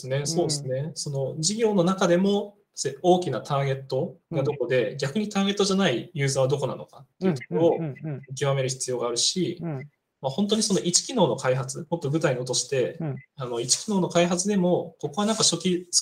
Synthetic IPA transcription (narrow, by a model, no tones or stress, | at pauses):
sɨne̞so̞ːd̪esɨne̞so̞no̞d͡ʑiɡʲo̞ːno̞nakad̪e̞mo̞ | seo̞ːkʲinat̪ʰaːɡe̞t̪ːo̞ɡad̪o̞ko̞d̪e̞ɡʲakɯ̟ɲ̟it̪aːɡe̞t̪ːoʑanaijɯ̟ːzaːβad̪o̞ko̞na̰no̞kat̪ːe̞jiɯ̟t̪o̥koɾoːɯ̟k̬ʲiβame̞ɾɯ̟çʲi̥t͡sɨjo̞ːɡaːɾɯ̟ɕi | maho̞nt̪o̞ɲ̟iso̞no̞ʔit͡ɕi̥kʲino̞ːnokaiɦat͡sɨmot̪ːo̞bɯ̟t̪ainoot̪̬o̞ɕi̥t̪e̞ano̞it͡ɕi̥kʲino̞ːno̞kaiɦat͡sɨd̪e̞mo̞ko̞koβanãŋkaɕo̞kʲis